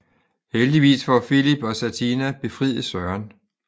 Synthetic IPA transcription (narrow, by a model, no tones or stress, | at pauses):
held̥iʋḭːsfɒfilib̥ɒ̽sæt͡sʰinæb̥e̝fʁiðˠəsɶɐn